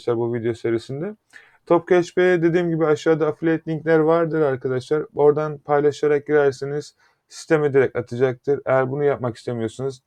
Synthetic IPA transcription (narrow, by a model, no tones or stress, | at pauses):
ʃlˠaɾbuvid̪ejo̞se̞ɾisind̪ɛ | t̪ʰo̞pkʰɛt͡ʃpejɛd̪e̞d̪iːmɟibiaʃaːd̪aːflʲeɛt̪lʲiɲclʲæɾvaɾd̪ɯɾaɾkʰad̪aʃlˠaɾo̞ɾd̪anpʰajlˠaʃaɾak̚ɟiɾæɾseniz̥ | si̥st̪ʰe̞med̪eɾɛcat̪ʰɯd͡ʒak̚t̪ʰɯɾḛjæɾbunujap̚maki̥st̪e̞mijo̞ɾsunuz